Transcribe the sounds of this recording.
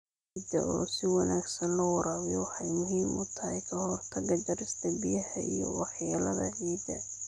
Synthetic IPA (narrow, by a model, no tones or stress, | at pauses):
id̪ɐ̰ɔːsɪwɑnaːɡsɐnlɐwɑɾaːβjɔwɑħɑjmʊɦiːmʊt̪ʰɐhɛjkʰɐhɔrt̪ʰɐɡɐd̪ɐɾɪst̪ʰɐbijɐhɐijɔ̰wɑħjaːlɐðɐ̰ʕiːd̪ɐ̰